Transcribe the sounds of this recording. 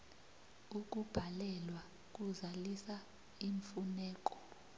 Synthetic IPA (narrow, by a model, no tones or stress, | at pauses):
uk̬ʼub̥ʱalɛlwa | k̬ʼuzalisa | iɱfunɛːk̬ʼɔ̥